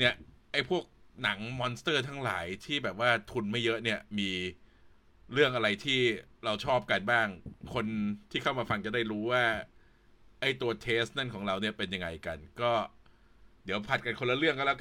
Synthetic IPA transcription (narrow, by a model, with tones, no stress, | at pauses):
ni˥˩əʔa˥˩jpʰu˥˩ək̚na˩˦ŋmɔː˧nst̪ɤː˥˩t̪ʰa˦˥ŋla̰ː˩˦jt̪ʰiː˥˩bɛː˨˩p̚waː˥˩t̪ʰu˧nma˥˩jːɤ˦˥ʔni˥˩ɐmiː˧ | ɾɯ˥˩əŋʔa˧ɾa˧jt̪ʰiː˥˩ɾa˧wt͡ɕʰɔː˥˩p̚ka˧nbaː˥˩ŋkʰo˧nt̪ʰiː˥˩kʰa˥˩wmaː˧fa˧ŋt͡ɕa˨˩da˥˩jɾuː˦˥waː˥˩ | ʔa˥˩jt̪u˧ɐt̪ʰeː˦˥st̪̚na˥˩nkʰɔː˩˦ŋɾa˧wni˥˩ɐpe˧nja˧ŋa˧jka˧nkɔː˥˩ | di˩˦əwpʰa˨˩t̪̚ka˧nkʰo˧nla˧˥ɾɯ˥˩əŋka˥˩lɛː˦˥˩